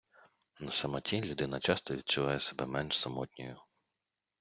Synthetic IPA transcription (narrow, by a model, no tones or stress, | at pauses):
nɐsɐmɐtʲilʲud̪ɪnɐt͡ʃɑst̪ɔʋʲid̪̚t͡ʃʊʋɑjɛsebɛmɛnʃsɐmɔtʲnʲɔjʊ